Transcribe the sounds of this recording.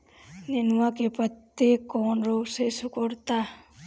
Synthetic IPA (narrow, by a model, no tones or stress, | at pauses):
nenʋãkepɾət̪ːekːoːnɾoːɡsesukɔɾt̪a